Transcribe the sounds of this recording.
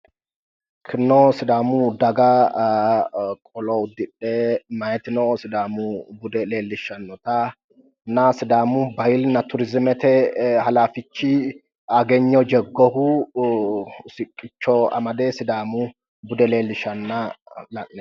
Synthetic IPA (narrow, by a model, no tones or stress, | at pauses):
kʰɪnːɔsɪd̪aːmʊd̪ɐɡɐ | kʼɔlɔʊd̪ːɪᶑemɐjɛt̪ɪnɔsɪd̪aːmʊbʊd̪ɛle̞ːlːɪʃɐnːɔt̪ɐ | nɐsɪd̪aːmʊbɐjɪlnɐt̪ʊɾɪzɪmɛt̪ɛhɐlaːfɪt͡ʃːɪ | ɐɡɛɲːɔd͡ʒɛɡːɔhu | sɪkʼːɪt͡ʃːɔɐ̰mɐd̪eːsɪd̪aːmʊ | bʊd̪ɛle̞ːlːɪʃɐnːɐlɐʔːɛ